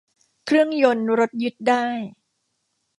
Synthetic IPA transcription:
kʰɾɯ˥˩əŋjo˧nɾo˦˥t̪̚jɯ˦˥t̪̚daː˥˩j

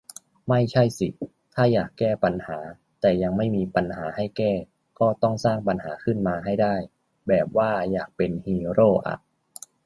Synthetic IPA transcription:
ma˥˩jt͡ɕʰa˥˩jsḭ˨˩ | t̪ʰaː˥˩jaː˨˩kːɛː˥˩pa˧nhaː˩˦ | t̪ɛː˨˩ja˧ŋma˥˩jmiː˧pa˧nhaː˩˦ha˥˩jkɛː˥˩ | kɔː˥˩t̪ɔ˥˩ŋsaː˥˩ŋpa˧nhaː˩˦kʰɯ˥˩nmaː˧ɦa˥˩jda˥˩j | bɛː˨˩p̚waː˥˩jaː˨˩k̚pe˧nhiː˧ɾoː˥˩ʔa̰˨˧˩ʔ

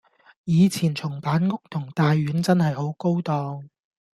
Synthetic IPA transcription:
jiː˨˧t͡sʰiː˨˩nt͡sʰʊ˨˩ŋpaː˨˥nŋʊ˥k̚t̪ʰʊ˨˩ŋt̪aː˨jːyː˨˥nt͡sɐ˥nhɐ˨jho˨˥wko˥wt̪ɔː˧ŋ

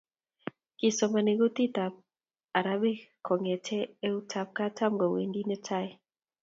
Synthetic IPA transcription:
kɪ˨sɔ˨ma˨ne˨ɡo˦t̪i˦ta˨p̚ | a˨ɾa˦bi˦kʰɔ˨ŋɛ˨tʰɛ˦ɛ˦u˦tʰa˨p̚ka˦ta˦mɡɔ˨wḛ˨ndi˦nɛ˦tʰa˦˨j

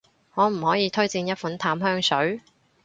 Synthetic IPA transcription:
ŋɔː˨˧m̩˨˩hɔː˨˥jiː˨˧t̪ʰɵ˥ɥt͡siː˧njɐ˥t̚fu˨˥nt̪ʰaː˨˥mɦœː˥ŋsɵ˨˥ɥ

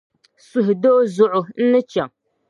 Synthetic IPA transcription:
sʊ˦ɦʊ˨doː˦zʊ˦ʔʊ˨n̩˦nɨ˦t͡ʃɛ˨ŋ

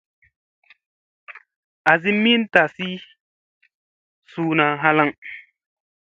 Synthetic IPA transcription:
a˨zi˦mi˦n˦ta˨si˦ | suː˦na˨ɦa˦la˦ŋ

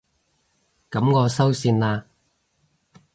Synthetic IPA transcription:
kɐ˨˥mŋɔː˨˧sɐ˥wsiː˧nlaː˧

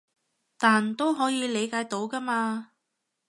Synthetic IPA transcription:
t̪aː˨nt̪o˥wɦɔː˨˥jiː˨˧le˨˧jkaː˨˥jt̪o˨˥wkɐ˥maː˧

